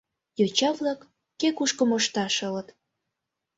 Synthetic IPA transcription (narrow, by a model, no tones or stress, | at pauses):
jot͡ɕɑβlɑkː | ekuʃkə̆moʃt̪ɑʃə̆lə̆t̪